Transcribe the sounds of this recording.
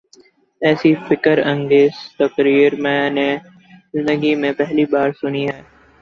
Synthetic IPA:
ɛːsifɪkəɾɐ̃ŋɡeːz̥t̪ɐkɾiːɾmɛ̃ːne | zɪ̃nd̪əɡimẽpɛɦlibaːɾsʊniɦɛː

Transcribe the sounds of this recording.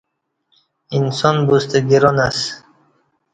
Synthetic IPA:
insɔnbust̪eɡiɾɔnas

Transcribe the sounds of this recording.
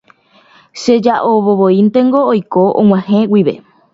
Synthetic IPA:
ʃed͡ʒaʔoβoβoint̪e̞ŋɡo̞ːjkoʔõ̰ŋ̃ãhẽwiʋe̞̰

